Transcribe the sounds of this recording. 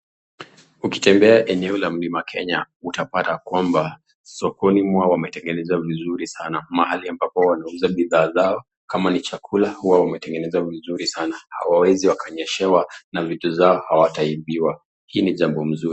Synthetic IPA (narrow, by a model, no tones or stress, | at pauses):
uki̥tɛmbɛaʔɛnɛɔlam̩limakʰɛɲa | utapatakwamba | sɔkɔnimwawamɛtɛŋɡɛnɛzavizuɾisanamahaliambapɔwanauzaɓiðaːzaɔ | kamanit͡ʃakʰulahuwawamɛtɛŋɡɛnɛzavizuɾisanaha̰wawɛziwakaɲɛʃɛwanavituzaɔhawataiɓiwa | hiːniʄambɔm̩zuɾi